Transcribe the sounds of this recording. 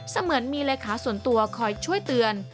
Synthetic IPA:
sa˧mɯ˩˦ənmiː˧leː˧kʰaː˩˦su˩˦ənt̪u˧ɐkʰɔː˧˩jt͡ɕʰu˥˩əjt̪ɯ˧ən

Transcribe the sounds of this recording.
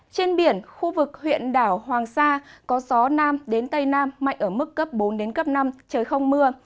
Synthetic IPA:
t͡ɕe˧nɓi˧˩ənxu˧vɨ˨˩k̚hwḭ˧˨ənɗaː˧˩whwaː˨˩ŋsaː˧kɔ˨˦zɔ˨˦naː˧mɗe˨˦nt̪ə˧jnaː˧mːa̰˧˨jŋ̟ʔəː˧˩mɨ˦˥kːə˦˥p̚ɓo˨˦nɗe˨˦nkə˦˥p̚na˧mt͡ɕəː˨˩jxə˧wŋ͡mmɨ˧ə

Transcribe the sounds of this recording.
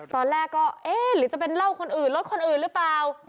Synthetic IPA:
t̪ɔː˧nlɛː˥˩kːɔː˥˩ʔeː˧˩ɾɯː˩˦t͡ɕa˨˩pe˧nla˥˩wkʰo˧nʔɯː˨˩nlo˦˥t̪̚kʰo˧nʔɯː˨˩nɾɯː˦˥plaː˨˩w

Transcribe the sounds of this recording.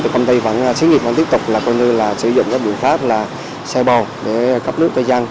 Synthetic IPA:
ɨ˨˩kə˧ŋ͡mt̪ə˧jva̰ː˧˩n˧t͡ɕʰi˨˦nŋi˨˩vaː˧t̪i˦˥əp̚t̪k͡p̚laː˨˩kɔ˧jɲɨ˧laː˨˩sɨ˧˩zʊ̰˧˨ŋ͡mkaː˦˥k̚ɓḭ˧˨ənxaː˦˥k̚laː˨˩ | sɛ˧ɓɔ˨˩wɗe˧˩ka˦˥p̚nɨ˦˥k̚t̪əː˧˩jzaː˧n

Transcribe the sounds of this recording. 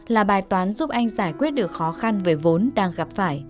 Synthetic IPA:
laː˨˩ɓaː˨˩jt̪waː˨˦nzu˦˥p̚ʔa˧jŋ̟zaː˧˩jkwi˦˥ət̚ɗɨ˨˩ək̚xɔ˨˦xa˧nve˨˦vo˨˦nɗaː˧ŋɣa˨˩p̚faː˧˩j

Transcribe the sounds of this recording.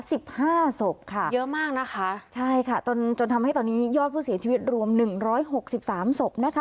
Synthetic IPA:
si˨˩p̚haː˥˩so˨˩p̚kʰa˥˩jɤ˦˥maː˥˩k̚na˦˥kʰa˦˥t͡ɕʰa˥˩jkʰa˥˩t̪o˧nt͡ɕo˧nt̪ʰmha˥˩jt̪ɔː˧nːiː˦˥jɔː˥˩t̪̚pʰuː˥˩si˩˦t͡ɕʰi˧wi˦˥t̪̚ɾu˧əmnɯ˨˩ŋɾɔː˦˥jɦo˨˩k̚si˨˩p̚saː˩˦mso˨˩p̚na˦˥kʰa˦˥

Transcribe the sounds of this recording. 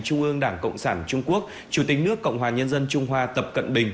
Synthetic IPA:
t͡ɕʊ˧ŋ͡mʔɨ˧əŋɗaː˧˩ŋkə̰˧˨wŋ͡msaː˧˩nt͡ɕʊ˧ŋ͡mku˦˥ək̚ | t͡ɕu˧˩t̪ï˨˩ŋ̟nɨ˦˥əkːə̰˧˨wŋ͡mɦwaː˨˩ɲə˧nzə˧nt͡ɕʊ˧ŋ͡mɦwaː˧t̪ə˨˩p̚kə̰˧˨nɓï˨˩ŋ̟

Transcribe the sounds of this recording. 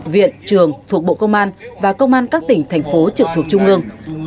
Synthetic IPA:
vḭ˧˨ənt͡ɕɨ˨˩əŋt̪ʰu˨˩ək̚ɓo̰˧˨kə˧wŋ͡mʔaː˧nvaː˨˩kə˧wŋ͡mʔaː˧nkaː˦˥k̚t̪ï˧˩ŋ̟t̪ʰɛ˨˩jŋ̟fo˨˦t͡ɕɨ˨˩k̚t̪ʰu˨˩ək̚t͡ɕʊ˧ŋ͡mʔɨ˧əŋ

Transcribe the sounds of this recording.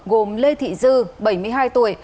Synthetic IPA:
ɣo˨˩mle˧t̪ʰḭ˧˨zɨ˧ɓə˧˩jmɨ˧əjɦaː˧jt̪u˧˩əj

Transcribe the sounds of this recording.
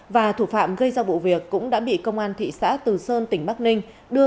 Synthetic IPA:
vaː˨˩t̪ʰu˧˩fa̰ː˧˨mɣə˧jzaː˧˩vṵ˧˨vi˨˩əkːʊ̰˧˥ŋ͡mɗa̰ː˧˥ɓḭ˧˨kə˧wŋ͡mʔaː˧nt̪ʰḭ˧˨sa̰ː˧˥t̪ɨ˨˩səː˧nt̪ï˧˩ŋ̟ɓa˦˥k̚nï˧ŋ̟ | ɗɨ˧ə

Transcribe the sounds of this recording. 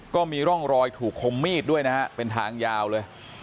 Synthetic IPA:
kɔː˥˩miː˧ɾɔ˥˩ŋɾɔː˧jt̪ʰuː˨˩kʰːo˧mːiː˥˩t̪̚du˥˩əjna˦˥ha˦˥ʔpe˧nt̪ʰaː˧ŋjaː˧wlɤː˧j

